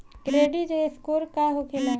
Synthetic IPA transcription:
kɾeːɖid͡ʒeeskoːɾkaɦokʰela

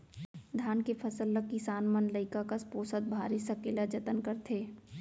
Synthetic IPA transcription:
d̪ʱaːnkepʰɐsəlːəkːisaːnmənləɪkakaspoːsət̪̚bʱaːɾisɐkeːlad͡ʒɐt̪ənkɐɾt̪ʰeː

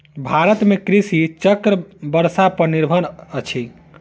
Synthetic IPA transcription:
bʱaɾət̪mekɾisit͡ʃəkɾəbəɾsapəniɾbʱənət͡ʃʰi

